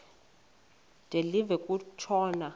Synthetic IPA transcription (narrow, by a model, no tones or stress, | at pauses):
d̥ʱʼelivɛkʼut͡ʃʰɔːna